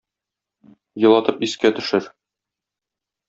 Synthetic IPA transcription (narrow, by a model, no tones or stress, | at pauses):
jɤ̆lˠɑt̪ɤpiskæt̪ɵ̆ʃɘɾ